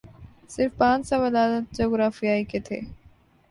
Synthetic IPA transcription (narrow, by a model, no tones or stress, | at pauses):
sɪɾfpãːt͡ʃsãʋəlaːd̪ət̪̚d͡ʒoːɡɾaːfijaːiket̪ʰḛː